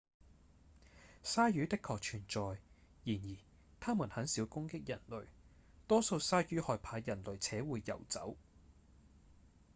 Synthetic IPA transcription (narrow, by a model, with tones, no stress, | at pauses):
saː˥jyː˨˥t̪ɪ˥kʰɔː˨k̚t͡ʃʰyː˨˩nt͡sɔː˨jjiː˨˩njiː˨˩ | t̪ʰaː˥muː˨˩nhɐ˨˥nsiː˨˥wkʊ˥ŋkɪ˥k̚jɐ˨˩nlɵ˨ɥ | t̪ɔː˥so˧wsaː˥jyː˥hɔː˨˧jpʰaː˨˧jɐ˨˩nlɵ˨˩ɥt͡sʰɛː˨˥wuː˨˧jːɐ̰˨˩wt͡sɐ̰˨˥w